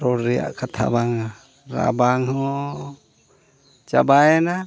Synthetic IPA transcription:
ɾoɾia̰ʔkat̪ʰa̰baŋa | ɾa̰baŋɦɔ | t͡ʃa̰baɛna

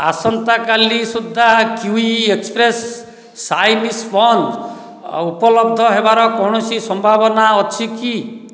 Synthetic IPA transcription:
a̰sɔnt̪akalisud̪ʱːakjuiekspɾesː | ajnispɔn | upɔlɔb̚d̪ʱɔɦebaɾɔkɔ̃ɔsisɔmbʱabɔnaɔt͡ʃʰiki

